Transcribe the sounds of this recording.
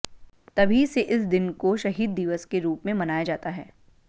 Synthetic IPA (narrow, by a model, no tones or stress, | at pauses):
t̪ɐbʱiseʔɪsd̪ɪnkoʃɐɦiːd̪ːɪʋəskeɾuːpmẽmɐnaːjad͡ʒaːt̪aɦɛː